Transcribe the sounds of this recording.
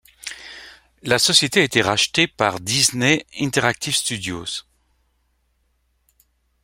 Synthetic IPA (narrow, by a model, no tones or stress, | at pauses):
lasɔsjet̪eaet̪eʁaʃt̪epaʁd̪izneɛ̃t̪ɛʁak̚t̪ʰifst̪yd̪jo̰z̥